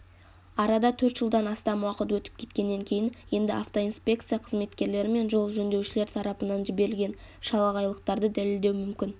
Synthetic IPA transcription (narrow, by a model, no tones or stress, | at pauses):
ɑɾɑd̪ɑt̪ʰɵɾt̪ʒ̥əlˠd̪ɑnɑst̪ɑmwɑqət̪wɵt̪ɪ̥p̚kʲʰe̞t̪kʲe̞nːe̞ŋkʲʰe̞jɪnje̞nd̪ɪʔaft̪o̞ijnspʲe̞k̚t̪sɨjaqʰəzme̞t̪kʲe̞ɾle̞ɾɪme̞nʒo̞lˠʒɵnd̪e̞wʃɪle̞ɾt̪ʰɑɾɑpənɑnʒɪbe̞ɾɪlɡʲe̞nʃɑlˠɑʁɑjlˠəq̚t̪ɑɾd̪əd̪æle̞ld̪e̞wmʏmkʲɪn